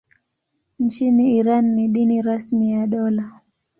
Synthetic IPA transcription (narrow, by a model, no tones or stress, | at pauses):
nt͡ʃiniːɾanːiɗiniɾasmijaɗɔla